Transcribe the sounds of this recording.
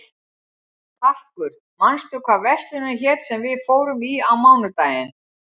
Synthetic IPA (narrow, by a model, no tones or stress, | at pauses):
θʰahkʏɾ̥ | manst̪ʏkʰvaːðvɛst̪lɪnaçɛt̪sɛmvɪðfoːwɾʏmiawmaːwnʏt̪aːjɪn